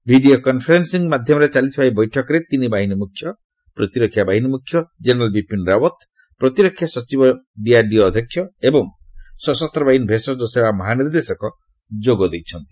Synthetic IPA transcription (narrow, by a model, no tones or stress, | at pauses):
bʱiɖiokɔnpʰeɾensiŋmad̪ʱjɔmɔɾet͡ʃalit̪ʰɔbʱajbɔjʈʰɔkɔɾet̪inibaɦinimukʰjɔ | pɾɔt̪iɾɔkʰːjabaɦinimukʰːjɔd͡ʒeneɾalbipinɾawɔt̪ | pɾɔt̪iɾɔkʰːjasɔt͡ʃibɔbiaɾɖiːd̪ʱjɔkʰjɔebɔŋsɔsɔst̪ɾɔbaɦinbʱesɔd̪osebamɔɦaniɾd̪esɔkɔ | d͡ʒoɡɔd̪ejt͡ʃʰɔnt̪i̥